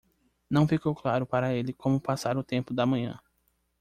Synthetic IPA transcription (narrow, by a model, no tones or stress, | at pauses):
nɐ̃w̃fikowklaɾʊpaɾɐelɪkõmʊpasaɾʊt̪ẽmpʊd̪ɐmɐ̃ɲɐ̰̃